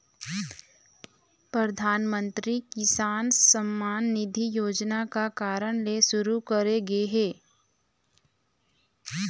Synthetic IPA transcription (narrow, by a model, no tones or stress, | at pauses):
pɾəd̪ʱaːnmə̃nt̪ɾikɪsaːnsəmːaːnːɪd̪ʱijoːd͡ʒnakakaːɾəɽ̃leʃʊɾukəɾeɡeɦɛː